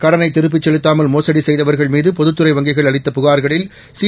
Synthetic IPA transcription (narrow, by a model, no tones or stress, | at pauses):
kɐɽɐnɐɪt̪ːɪɾɯp̬ːɪt͡ʃːɛɭɯt̪ːaːmɐlmoːsɐɽisɛjðɐʋɐɾɣɐɭmiːðɯpɔðɯt̪ːɯɾɐɪʋɐŋɡɪɣɐɭɐɭɪt̪ːɐpʊɣaːɾɣɐɭɪl | si